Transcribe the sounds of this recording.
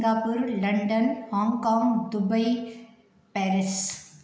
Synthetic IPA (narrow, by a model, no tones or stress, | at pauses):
ŋɡaːpuɾlɐɳɖɐnhaːŋɡkaːŋɡd̪ʊbɐɪ | pɛːɾɪs